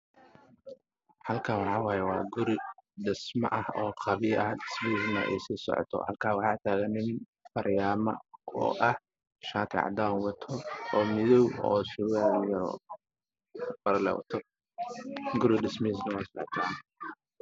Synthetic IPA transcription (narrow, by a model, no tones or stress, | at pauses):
ħɐlkʰaːwɑħɑwɑːjɛwɑ̰ːɡʊɾɪɖɪsmɐ̰ʔɐhɔːqʰɑβɪjʔɐɖɪsmisnɐ̰ʔɛ̰jsiːsɔ̰ʕɔ̰t̪ʰɔ̰hɐ̰lkʰaːwɑħɑːt̪ʰaːɣɐnɪn | fɐɾjaːmɐ̰ɔ̰ːʔɐh | ʃaːk̪ʰɪ̰ʕɑ̰d̪aːnwɐt̪ʰɔɔːmɪðɔwɔːʃʊɣaːjɐɾɔ̰ː | bɐɾlɛ̰wɐ̰t̪ʰɔ | ɡʊɾɪɖɪsmis̬nɐwɐːsɔʕɔ̰t̪ʰan